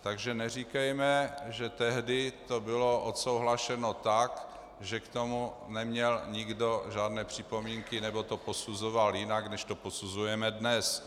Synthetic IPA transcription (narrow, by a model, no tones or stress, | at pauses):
t̪aɡʒɛnɛrikɛjmɛʒɛt̪ɛɦdɪt̪obɪloʔot̪so̞wɦlaʃɛnot̪ak | ʒɛkt̪omu | nɛmɲɛlɲɪɡdoʒaːdnɛːpr̝̥ɪpo̞miŋkɪnɛbo̞t̪oposuzovaljɪnaɡnɛʃt̪o̞posuzujɛmɛdnɛs